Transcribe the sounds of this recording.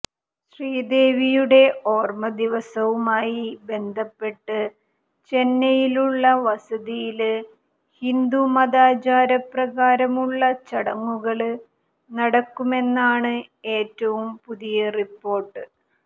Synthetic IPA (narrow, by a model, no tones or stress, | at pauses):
ɕriːd̪e̞ːʋijuɽe̞o̞ːrmɐd̪iʋɐsɐʋumaːjibe̞nd̪ʱɐpːe̞ʈːɨ | t͡ɕe̞nːɐjiluɭːɐʋɐsɐðijil | hind̪umɐðaːt͡ɕaːɾɐprɐɣaːɾɐmuɭːɐt͡ɕɐɽɐŋːuɣɐɭ | nɐɽɐkːume̞nːaːɳɨ | e̞ːtːɐʋumpuðijɐripːo̞ːrʈːɨ